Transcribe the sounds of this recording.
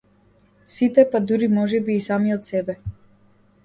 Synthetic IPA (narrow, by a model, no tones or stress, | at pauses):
sit̪ɛpad̪uɾimɔʒɛbiːsamiɔt̪sɛbɛ